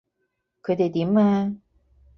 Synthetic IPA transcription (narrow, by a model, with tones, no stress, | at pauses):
kʰɵ˨˧jt̪e˨jt̪iː˨˥maː˧˥